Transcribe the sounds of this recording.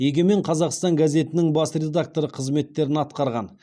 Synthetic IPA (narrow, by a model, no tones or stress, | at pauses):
jeɡʲeme̞ɴqʰɑzɑqst̪ɑŋɡaze̞t̪ɪnɪŋbɑsrʲe̞d̪ak̚t̪o̞ɾəqʰəzme̞t̪ːe̞ɾɪnɑt̪qɑɾʁɑ̰n